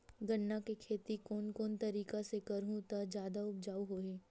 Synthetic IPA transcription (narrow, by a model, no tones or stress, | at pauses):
ɡɐɳːakekʰeːt̪ikoːnkoːnt̪ɐɾiːkasekɐɾɦũt̪ɐd͡ʒjaːd̪aʊb̚d͡ʒaːwɦoːɦẽː